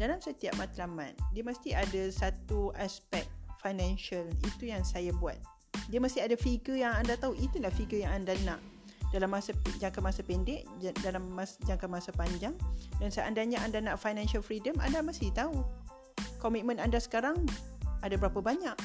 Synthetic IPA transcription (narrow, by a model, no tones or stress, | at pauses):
dalamsət̪iap̚mat̪lamã̰t̪̚diəməst̪iadasat̪uʔaspɛk̪̚fajnɛ̃nʃəlit̪ujaŋsajabuat̪̚ | diəməst̪iadafiɡəjaŋandat̪auʔit̪ulahfiɡəjãŋandana̰ʔ | dalamːasad͡ʒaŋkanmasapɛndɛʔdalamːasd͡ʒaŋkanmasapaɲd͡ʒaŋdansaʔandaɲaʔandanaʔfajnɛ̃nʃalfɾidəma̰ndamast̪it̪au | kɔmit̪̚mə̃nandasə̥kaɾaŋadabəɾapabaɲaʔ